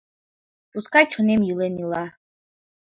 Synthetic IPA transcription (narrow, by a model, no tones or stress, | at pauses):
puskajt͡ʃʰɔnɛmjulɛnilˠa